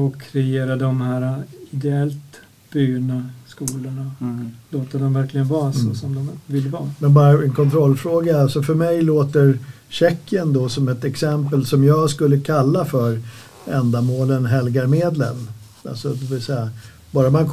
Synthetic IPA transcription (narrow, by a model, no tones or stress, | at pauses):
ɔkʰːɾɛeːɾad̪ɔmhæːɾaɪd̪ɛɛlt̪ | b̥yːɳaskuːlʊɳaloːt̪əɖɔmvæɾklɪɡənvɑːɾasɔsɔmd̪ɔmvɪlːvɑːmɛnbɑːɾaɛnkʰɔnt̪ʰɾɔlːfɾoːɡaalsɔfœɾmɛjloːt̪əɾ | ɕɛkːɪənd̪ɔsɔmɛt̪ɛksɛmpəlsɔmjɑːɡskɵlːəkʰalːafœɾ | ɛnd̪amoːlənɦɛlɡaɾmeːd̪lə̰n | a̰lsɔd̪ɛvɪlsɛja | bɑːɾaman